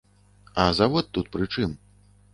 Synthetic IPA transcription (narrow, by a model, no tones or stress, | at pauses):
ɐzavɔt̪ːut̪̚pɾɨt͡ʂɨm